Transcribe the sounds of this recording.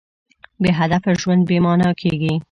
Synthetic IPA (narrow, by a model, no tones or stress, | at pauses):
beɦad̪afaʒwand̪̚bemɑnɑkʰeɡi